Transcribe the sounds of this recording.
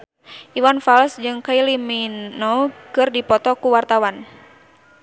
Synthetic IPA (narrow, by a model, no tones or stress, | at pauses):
ʔiwanfalsd͡ʒɨŋkailiminɔkɨrdipɔt̪ɔkuwart̪awan